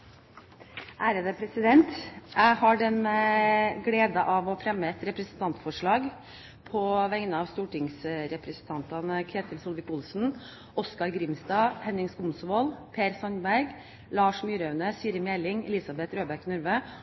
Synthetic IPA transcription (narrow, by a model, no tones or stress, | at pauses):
ʔæːɾəd̪əpʰɾɛsɪd̪ɛnt̪jæɪhɑɖɛnəɡɽeːd̪ɑʔɑʋɔfɾɛmːəɛt̪ɾɛpɾəsnt̪ɑnt̪fɔʂɭɑːɡ | pʰɔʋɛŋnəɑːʋst̪uːʈɪŋsɾɛpɾəsn̩t̪ʰɑnt̪ɑnkʰɾeːt̪ʰəlsʊlʋɪkʊlsn̩ | ʔɔskɑɾɡɾɪmst̪ɑːhɛnːɪŋskʊmsʋoːlpʰeːɾsɑnbæɾɡ | lɑːʂmyːɾœʉnəsiːɾəmɛlɪŋɛ̰lɪsɑbɛt̪ɾøːbæɾknʉɾʋə